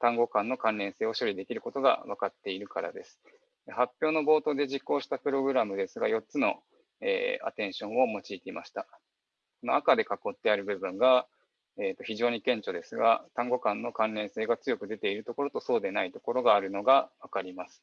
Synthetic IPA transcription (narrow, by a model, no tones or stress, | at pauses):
t̪ãŋɡo̞kãnːo̞kãnɾẽ̞ɰ̃seːo̞ɕo̞ɾʲid̪e̞kʲiɾɯ̟ko̞t̪o̞ɡa̰βakat̪ːe̞iɾɯ̟kaɾa̰d̪e̞sɨ̥ | ehapʲjoːno̞bo̞ːt̪o̞ːd̪e̞ʑikːo̞ːɕi̥t̪apɯ̟ɾo̞ɡɯ̟ɾamɯ̟d̪e̞sɨɡajo̞t̪t͡sɨno̞ | ḛːa̰t̪ẽ̞ɰ̃ɕõ̞ɰ̃o̞mo̞t͡ɕiːt̪e̞imaɕi̥t̪a | kono̞akad̪e̞kako̞t̪ːe̞aɾɯ̟bɯ̟bɯ̟̃ŋɡa | eːt̪ːo̞çiʑo̞ːɲ̟ikẽ̞ɲt͡ɕo̞d̪e̞sɨɡa̰t̪ãŋɡo̞kãnːo̞kãnɾẽ̞ɰ̃se̞ːɡat͡sɨjo̞kɯ̟d̪e̞t̪e̞iɾɯ̟t̪o̞ko̞ɾot̪o̞so̞ːd̪e̞nait̪o̞ko̞ɾo̞ɡaːɾɯ̟no̞ɡaβakaɾʲimasɨ̥